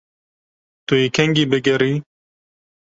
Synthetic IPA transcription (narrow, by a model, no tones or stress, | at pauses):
t̪uekʰɛŋɡiːbɨɡɛɾiː